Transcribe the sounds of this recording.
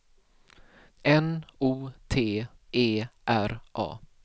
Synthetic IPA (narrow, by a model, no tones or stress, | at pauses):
ʔɛnuːt̪ʰeːʔeːʔæɾʔɑ̰ː